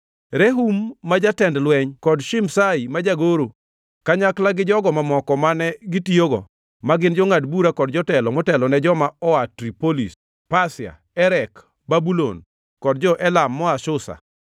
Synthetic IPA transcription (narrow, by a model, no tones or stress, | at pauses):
ɾeɦumːad͡ʒatɛndlwɛɲkɔdʃɪmsaimad͡ʒaɡoɾo | kaɲaklaɡɪd͡ʒɔɡɔmamɔkɔmanɛɡɪtioɡɔ̰ | maɡɪnd͡ʒɔŋadbuɾakɔdd͡ʒɔtɛlɔmɔtɛlɔnɛd͡ʒɔmaɔatɾipolis | pasɪa̰ | ɛɾɛk | babulo̰n | kɔdd͡ʒɔʔɛlamːɔaʃʊsa̰